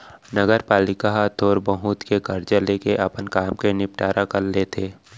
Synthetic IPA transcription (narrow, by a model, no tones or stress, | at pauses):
nəɡəɾpaːlɪkaɦat̪ʰoːɾbəɦuːt̪kekəɾd͡ʒəleːkeʔɐpənkaːmkenɪp̚ʈaːɾakɐɾleːt̪ʰeː